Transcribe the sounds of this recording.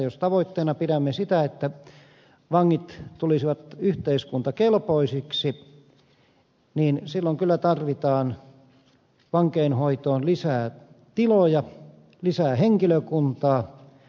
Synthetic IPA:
jost̪ɑʋoit̪ːeːnɑpiɾæmːesit̪æet̪ːæ | ʋɑŋːit̪t̪ulisiʋɑt̪yht̪eiskunt̪ɑkelpoisiksi | niːnsilːoŋkylːæt̪ɑrʋit̪ɑːn | ʋɑŋkeːnhoit̪oːnlisæːt̪ilojɑ | lisæːheŋkiløkunt̪ɑː

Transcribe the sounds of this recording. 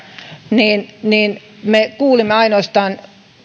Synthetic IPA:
niːnniːnmekuːlimːeɑinoːst̪ɑːn

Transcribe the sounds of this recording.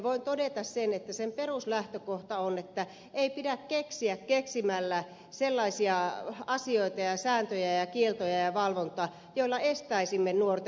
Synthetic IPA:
ʋoint̪odet̪ɑssenet̪ːæsemperuslæht̪økoht̪ɑonet̪ːæ | eipidækkeksiækkeksimælːæ | selːɑisiɑɑsioit̪ɑjɑsæːnt̪øjæjɑkielt̪ojɑjɑʋɑlʋont̪oɑ | joilːɑest̪æisimːenuort̪e

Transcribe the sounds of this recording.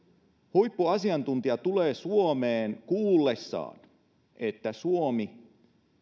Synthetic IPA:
hujpːuɑsiɑnt̪unt̪iɑt̪uleːsuomeːnkuːlːesːɑ̰ːn | ʔet̪ːæsuomi

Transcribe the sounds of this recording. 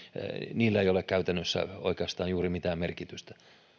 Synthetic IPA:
niːlːæeiolekkæyt̪ænːøsːæ̰oikeɑst̪ɑːnjuːrimit̪æːmmerkit̪yst̪æ̥

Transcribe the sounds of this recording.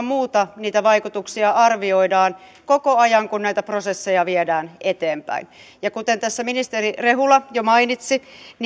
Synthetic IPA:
mmuːt̪ɑniːt̪æʋɑikut̪uksiɑɑrʋioidɑːn | kokoɑjɑŋkunnæit̪æprosesːejɑʋiedæːnet̪eːmpæ̰injɑkut̪ent̪æsːæminist̪erireɦulɑjomɑinit̪sin

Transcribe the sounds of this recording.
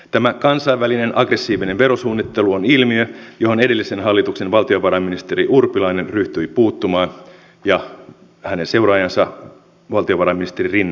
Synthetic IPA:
t̪æmækɑnsɑiʋːæline̞nʔɑɡre̞sːiːʋine̞nʋe̞ɾo̞suːnːit̪ːe̞luonilmiøjo̞ɦo̞nede̞lːise̞nɦɑlːit̪ukse̞nʋɑlt̪io̞ʋɑɾɑmːinist̪eɾiʔurpilɑine̞nryht̪yipuːt̪ːumɑːn | jɑ | hæne̞nse̞uɾɑːjɑnsɑ | ʋɑlt̪io̞ʋɑɾɑminist̪eririnːɑ

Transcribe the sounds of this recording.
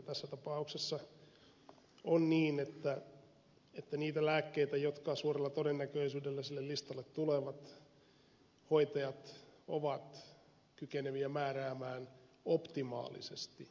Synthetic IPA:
t̪æsːæt̪ɑpɑuksesːɑ | onniːnet̪ːæ | et̪ːæniːt̪ælæːkːeit̪æjot̪kɑsuːrelːɑt̪odenːækøisyːdelːæsilːellist̪ɑlːet̪tuleʋɑt̪ | hoit̪ɑjɑt̪o̰ʋɑt̪ | kykeneʋiæmæːræːmæːnopt̪imɑ̰ːlḭsest̪i

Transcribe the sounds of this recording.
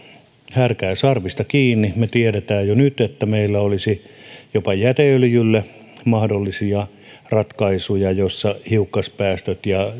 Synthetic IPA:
hærkæːsɑrʋist̪ɑkiːnːimet̪ieɾet̪æːjjonyt̪et̪ːæmeilːæolisi | jopɑjæt̪eljylːe | mɑhdolːisiɑ | rɑt̪kɑisujɑjosːɑhiukːɑspæːst̪øt̪jɑ

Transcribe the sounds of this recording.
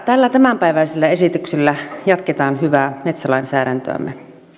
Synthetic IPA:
t̪ælːæt̪æmæmpæˑiʋæˑiselːæesit̪ykselːæjɑt̪ket̪ɑːnhyʋæmet̪sælɑˑinsæˑːɾænt̪ø̰æ̰mːḛ

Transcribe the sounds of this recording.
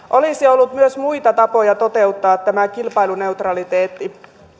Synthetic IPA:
ʔo̞lisiolːut̪myøsmuit̪ɑt̪ɑpo̞jɑt̪o̞t̪e̞ut̪ːɑːt̪tːæmækilpɑilune̞ut̪rɑlit̪eːt̪ːi

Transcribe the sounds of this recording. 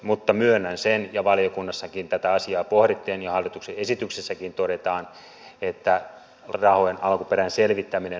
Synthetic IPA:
mut̪ːɑmyønːænsenjɑʋɑljokunːɑsːɑkint̪æt̪æɑsiɑːpohɾet̪ːeːnjɑhɑlːit̪ukseesit̪yksesːækint̪odet̪ɑːn | et̪ːæ | rɑhojenɑlkupeɾænselʋit̪ːæmine

